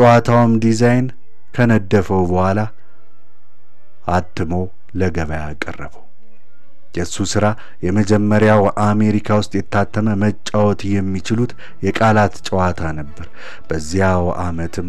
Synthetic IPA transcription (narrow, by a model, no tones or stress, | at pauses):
t͡ʃʼəwat̪ʰawɨmd̪izajn | kʰənəd̪ːəfəwbəhʷala | at̪ːɨmow | ləɡəβəjakʼːə̰rːəβəw | jɛsːusɨɾa | jɛməd͡ʒɛmːəɾjawʔame̞ɾikʰawʊst̪ʼjɛt̪ʰːat̪ʰːəməmət͡ʃʼːawɔt̪ʰjɛmːit͡ʃɪlut̪ | jɛkʼalat̪t͡ʃʼəwat̪ʰanəbːəɾ | b̥əzːihawʔamət̪ʰɨm